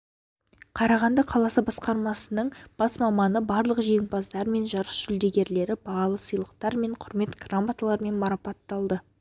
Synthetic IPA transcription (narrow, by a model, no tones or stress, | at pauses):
qʰɑɾɑʁɑnd̪ɑqʰɑlˠɑsəbɑsqɑɾmɑsənəɴb̥ɑsmɑmɑnəbɑɾlˠəqʒe̞ŋbɑzd̪ɑɾme̞nʒɑɾəsʒ̥ʏld̪e̞ɡʲe̞ɾle̞ɾɪbɑɑlˠəsəjlˠəqt̪ɑɾme̞ɴqʰʊɾme̞t̪ɡ̥ramat̪alˠɑɾme̞nmɑɾɑpɑt̪ːɑlˠd̪ə